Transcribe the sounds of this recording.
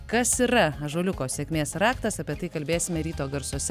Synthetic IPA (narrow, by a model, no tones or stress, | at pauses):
kɐsiːɾɐɐʒoːlʲʊkoːsʲeɛkʲmʲeːsɾɑːkt̪ɐsɐpʲiɛt̪ɐɪkɐlʲbʲeːsʲɪmʲɛɾʲiːt̪oːɡɐɾsoːsʲɛ